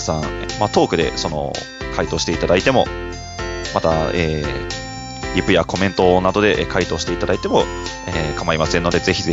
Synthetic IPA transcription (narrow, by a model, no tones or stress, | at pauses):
sãmat̪o̞ːkɯ̟d̪e̞̰so̞no̞̰ | kait̪oːɕi̥t̪e̞it̪ad̪ait̪e̞mo̞ | mat̪aeː | ɾʲipɯ̟jako̞mẽ̞nt̪o̞nad̪o̞d̪e̞ʔkait̪o̞ːɕi̥t̪e̞it̪ad̪ait̪e̞mo̞ | ekamaɾʲimasẽ̞nːo̞d̪e̞ze̞çʲiz